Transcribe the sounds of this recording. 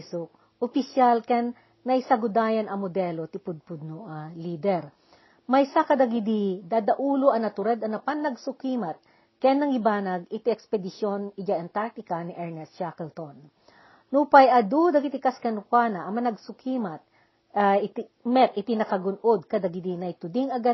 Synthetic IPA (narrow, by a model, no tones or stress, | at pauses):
sʊk̚ | ʊpɪsjalkɛnː | ɐjsɐɡʊd̪aːjɐnɐŋmod̪ɛlot̪ɪpʊd̪̚pʊd̪̚nʊʔaliːd̪ɛɾ | mɐjsakɐd̪ɐɡɪd̪id̪ad̪ɐʔuːloʔɐnɐt̪ʊɾɛd̪ɐnɐpanːɐɡsʊkimɐt̪̚ | kɛnːɐŋɪbaːnɐɡɪt̪iɛkspɛd̪ɪʃjonɪd͡ʒaʔɐnt̪aɾ̚t̪ɪkɐniʔɛɹnɛst͡ʃakɛlt̪onː | uːpajʔɐd̪ud̪ɐkɪt̪ɪkaskɐnʊkwaːnɐʔɐmɐnɐɡsʊkʰimɐt̪̚ | ɪt̪ | mɛt̪̚ʔɪt̪inɐkɐɡʊnʔod̪̚kɐd̪ɐɡɪd̪inɐjt̪ʊd̪ɪŋɐɡa